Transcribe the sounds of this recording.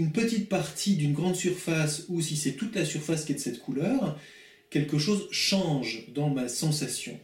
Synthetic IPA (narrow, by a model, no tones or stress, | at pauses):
ynpət̪it̪̚paʁt̪ʰid̪ynɡʁɑ̃d̪syʁfasusisɛt̪ut̪lasyʁfaskʲiɛd̪əsɛt̪kʰulœːʁ | kʲɛlkəʃozʃɑ̃ʒd̪ɑ̃masɑ̃sasjɔ̰̃